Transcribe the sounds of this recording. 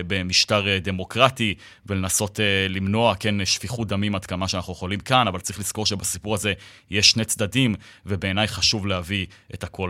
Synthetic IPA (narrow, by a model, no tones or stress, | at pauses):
be̞miʃtaʁde̞mo̞kʁati | velenaso̞telimno̞akenʃfiχudamimad̪kamaʃeanaχujeχo̞limkanavalt͡saʁiχliz̥ko̞ʁʃe̞basipuʁaze̞ | jeʃːnet͡sdadimve̞be̞ːnajχaʃuvleavietakʰo̞l